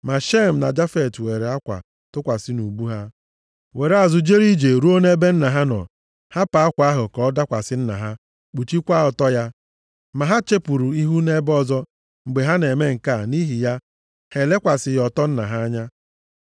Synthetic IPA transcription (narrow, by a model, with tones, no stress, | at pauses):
ma˨ʃe˦m̩˨na˨d͡ʒa˦fe˨twe˨ɾe˨a˦kʷa̰˨ | tʊ˦kʷa˨sɪ˦nu˨ɡ͡bu˦ɦa˦ | we˨ɾe˨a˨zʊ˨d͡ʒe˦ɾi˦d͡ʒe˨ɾu˦o˦ne˦be˦n̩˦na˨ɦa˦nɔ̰˨ | ha˦pa˨a˦kʷa˨˦a˦ɦʊ˨kɔ˨˦da˦kʷa˨sɪ˦n̩˦na̰˨ɦa˦ | k͡pu˨t͡ʃi˦kʷa˦ɔ˨tɔ˦ja˦ | ma˨ɦa˦t͡ʃe˦pu˨ɾu˨i˦ɦu˦ne˦bɔ˦zɔ˦ | ŋ͡m̩˨ɡ͡be˨ɦa˦ne˨me˦ŋ̩˨ka˦˨ni˦ɦi˨ja˦ | he˨le˦kʷa˨sɪ˨jɔ˨tɔ˦n̩˦na̰˨ɦa˦a˦ɲa˦